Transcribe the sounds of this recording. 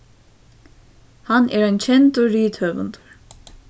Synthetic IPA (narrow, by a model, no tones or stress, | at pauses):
hanʔɛɾajnt͡ʃʰɛnt̪ʊɾiːt̪hœːʋə̰nt̪ʊ̥ɹ̥